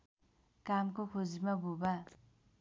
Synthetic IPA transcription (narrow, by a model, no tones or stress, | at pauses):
kamkokʰod͡zimabʱuba